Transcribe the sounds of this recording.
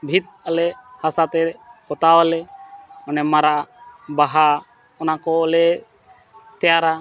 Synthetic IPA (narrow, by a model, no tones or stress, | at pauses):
bʱit̪̚əlɛhasat̪ɛpɔt̪awəlɛɔnɛmaɾaʔbaɦa | ɔnakɔəlɛ | t̪ɛjaɾa